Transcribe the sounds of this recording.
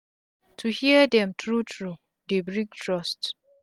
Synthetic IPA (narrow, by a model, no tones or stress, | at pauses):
tʰuhiədɛ̃mtɹutʰɹu | debɹĩŋtʰɹɔst